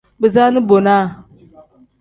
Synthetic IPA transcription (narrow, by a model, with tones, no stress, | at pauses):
bɛ˨zaː˦nɨ˦bo˨na˦˨